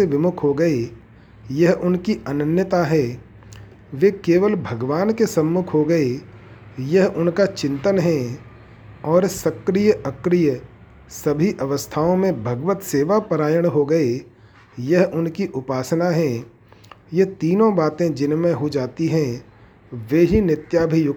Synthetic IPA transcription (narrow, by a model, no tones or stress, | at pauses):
eʋɪmʊkʰɦoɡɐe | jɐɦʔʊnkiʔɐnənjət̪aɦɛ | ʋekeːʋəlbʱɐɡʋaːnkesɐ̃mːʊkʰɦoɡɐe | jɐɦʔʊnkat͡ʃɪ̃nt̪ənɦɛ̃ | ɔːɾsɐkɾijəɐkɾijə | sɐbʱiʔɐʋəst̪ʰaːõmẽbʱɐɡʋət̪seːʋapəɾaːjəɽɦoɡəe | jɐɦʔʊnkiʔʊpaːsnaɦɛ̃ | jɐt̪iːnõbaːt̪ẽd͡ʒɪnmẽɦud͡ʒaːt̪iɦɛ̃ | ʋeːɦinɪt̪jaːbʱijʊk